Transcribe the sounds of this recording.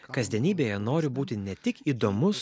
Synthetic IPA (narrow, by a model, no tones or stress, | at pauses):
kɐzʲd̪ʲɛnʲiːbʲeːjɛnoːɾʲɪbuːt̪ʲɪnʲɛt̪ʲɪkiːd̪oːmʊs